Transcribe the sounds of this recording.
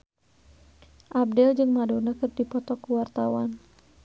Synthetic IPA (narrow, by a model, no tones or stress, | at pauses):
ʔab̚dɛld͡ʒɨŋmadɔnakərdipɔt̪ɔkuwart̪awan